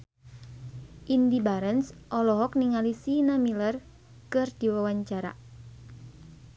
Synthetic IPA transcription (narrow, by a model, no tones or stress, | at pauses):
ʔindibaɾənsʔɔlɔɦɔk̚niŋalisinamilər | kɨrd̥iwawaɲt͡ʃaɾa̰